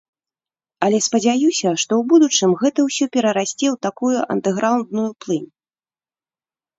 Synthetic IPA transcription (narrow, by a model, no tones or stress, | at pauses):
ɐlʲɛspɐd͡zʲajusʲɐʂt̪ɔwbud̪ut͡ʂɨmɣɛt̪ɐwsʲɔpʲɛɾɐɾasʲt͡sʲɛwt̪akujuʔɐ̰nd̪ɛɣɾawnd̪nujuplˠɨnʲ